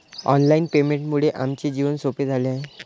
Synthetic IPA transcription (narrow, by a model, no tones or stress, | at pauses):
ɔ̰nlainpemeɳʈmuɭeʔamt͡ɕed͡ʑiʋənsoped͡zʱaleaɦe